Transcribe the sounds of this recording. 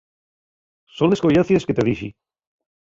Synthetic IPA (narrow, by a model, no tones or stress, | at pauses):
sonleskojaθjesket̪eðiʃi